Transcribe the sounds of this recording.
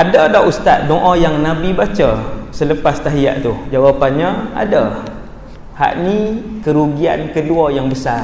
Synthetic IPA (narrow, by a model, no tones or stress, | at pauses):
ʔadədaʔust̪at̪̚doʔɔjaŋnabibat͡ʃəsələpast̪aɦija̰ʔt̪ud͡ʒawapanɲəa̰də | ha̰ʔnikəɾuɡia̰nkəluajaŋbəsar